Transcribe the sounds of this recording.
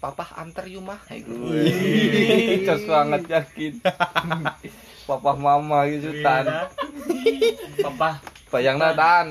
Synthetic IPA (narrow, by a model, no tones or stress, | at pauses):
papaha̰nt̪ərjumaha̰iɡu | t͡ʃəsmaŋət̪̚d͡ʒakɪt̪̚ | papahmamaɡ̪sut̪an | papa | pajaŋnat̪an